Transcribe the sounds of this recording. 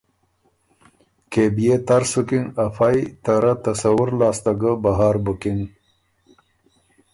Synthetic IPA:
kebijet̪aɾsukiŋafajt̪aɾat̪asawuɾlɑːst̪aɡəbaɦaːɾbukiŋ

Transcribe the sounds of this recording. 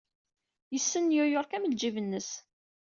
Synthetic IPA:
jəsːənjʊjʊɾˤkæməld͡ʒivənːəs

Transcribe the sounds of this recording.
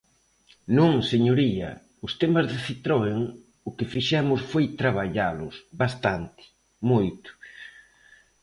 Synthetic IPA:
nũŋseɲoɾiɐ̰ | ʊst̪ɛmazðeθit̪ɾoeŋ | ʊkɪfiʃɛmʊsfojt̪ɾaβ̞aʎalʊsβast̪ant̪ɪ̥ | mojt̪ʊ̥

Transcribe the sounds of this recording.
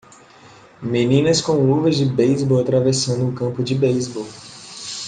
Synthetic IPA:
menĩnɐskõluvɐzd͡ʒɪbejzbowat̪ɾavesɐ̃nd̪ʊːkɐ̃pʊd͡ʒɪbejzbow

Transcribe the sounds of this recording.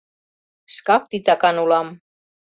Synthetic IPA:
skɑk̚t̪it̪ɑkɑnulɑm

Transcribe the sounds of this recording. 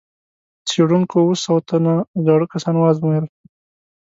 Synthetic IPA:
t͡seɽuŋkowusawat̪ʰanazɑɽəkasɑnwɑzmujəl

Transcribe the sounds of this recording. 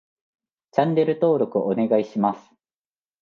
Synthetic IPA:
t͡ɕãnːe̞ɾɯ̟t̪o̞ːɾo̞kɯ̟ʔone̞ɡaiɕimasɨ̥

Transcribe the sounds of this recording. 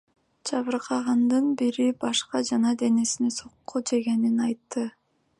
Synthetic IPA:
d͡ʒɑβɯɾqʰɑʁɑnd̪ɯnbiɾibɑʃqɑd͡ʒɑnɑd̪e̞ne̞sineso̞qqːud͡ʒe̞ɡe̞ninɑjt̪ːɯ

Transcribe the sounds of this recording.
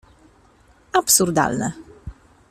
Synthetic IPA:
apsuɾd̪a̰lnɛ

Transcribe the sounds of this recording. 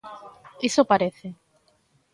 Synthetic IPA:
isopaɾeθe

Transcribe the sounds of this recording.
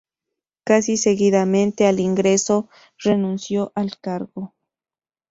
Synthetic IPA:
kasiseɣiðamẽ̞nt̪e̞aliŋɡɾeso | renũnsjoʔalkaɾɣo

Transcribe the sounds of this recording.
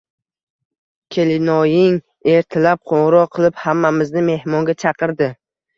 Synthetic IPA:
kʲʰe̞lɪnɒjɪŋ | e̞ɾt̪ʰɪlap̚qʰoŋɾɒqʰɨlˠɪphamːamɪznɪme̞hmɒŋɡʲat͡ʃʰɑqɨɾd̪ɪ

